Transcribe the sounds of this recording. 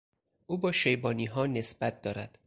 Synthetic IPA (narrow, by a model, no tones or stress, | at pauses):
ʔuːbɒːʃejbɒːniːɦɒːne̞sb̥æt̪̚ʰd̪ɒːɾæd̪̥